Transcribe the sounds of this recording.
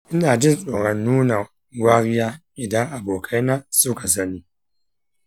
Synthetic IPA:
i˦na˨d͡ʒɪ˦so˨ɾa˨nuː˦na˨˦ | ɡwa˦ɣja˦ | i˨da˦a˨bo˨kʰa˦na˦so˦ka˨za˦ni˨

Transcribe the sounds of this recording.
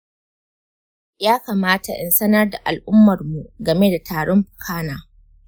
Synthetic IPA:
jaː˦kaː˨maː˦ta˨ʔɪ˨nsɐ˦nɐ˦rda˨ʔa˨lʔʊ˦mːɐ˨rmu˨ʔɡɐ˨me˦da˨taː˨ɽɔ˦mɸʊ̥˨kʰaː˦naː˨

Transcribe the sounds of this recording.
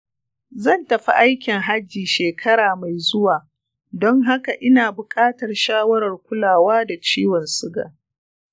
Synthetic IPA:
zɐ˦˨ntɐ˨ɸi˦ʔa˦jkʲɪ˨ŋɦa˦d͡ʒːiː˨ʃeː˨kʰɐ˦ɾaː˨ma˨jzʊ˦waː˨ | dɔ˦ŋɦa˦ka˨ʔɪ˦naː˨bʊ˨kʼaː˦tɐ˨rʃaː˦wɐ˦ɾɐ˨rkʷʊ˦laː˨waː˦da˨t͡ʃiː˦wɔ˨nsɪ˦ɡa̰ː˨

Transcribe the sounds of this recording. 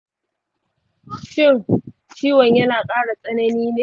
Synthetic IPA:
ʃɪ˦˨ŋ | t͡ʃiː˦wɐ˨ɲjɐ˦naː˨kʼaː˦ɽa˨sʼɐ˦nɐ˦niː˦neː˦

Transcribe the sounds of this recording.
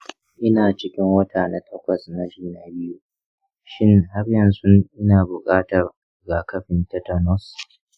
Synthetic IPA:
ʔɪ˦naː˨t͡ʃɪ˦kʲɪ˦ŋwɐ˦tʰaː˨na˨tʰɐ˦kʷɐ˨sna˨d͡ʒiː˦na˨bɪ˦ju˦ | ʃɪ˦ŋɦa˦rjɐ˨nsʊ˦ʔɪ˦naː˨bʊ˨kʼaː˦tɐ˨r | ɡa˨kɐ˦ɸɪ˨ntɐ˦ta˨nɔ˦s

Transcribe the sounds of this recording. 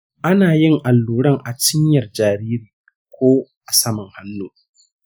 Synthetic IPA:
ʔa˦naː˨jɪ˦ŋʔa˨lːuː˨ɽɐ˦ŋʔa˨t͡ʃɪ˦ɲjɐ˨rd͡ʒaː˨ɾiː˦ɾiː˨ | kʷoː˦ʔa˨sɐ˦mʊ˨ŋha˦nːuː˦

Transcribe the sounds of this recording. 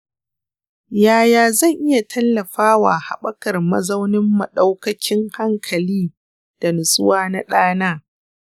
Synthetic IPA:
jaː˨jaː˨zɐ˦˨ŋʔɪ˦ja˨tʰɐ˦lːɐ˨ɸaː˦waː˨ha̰˨ɓɐ˦kɐ˨rmɐ̰˦zɐ˦wnɪ˦mːɐ˨ɗa˦wkɐ˦kʲɪ˦ŋha˦ŋkʰɐ˨liː˦ | d̥a˨nʊ˨sʊ˦waː˦na˦ɗaː˦naː˦

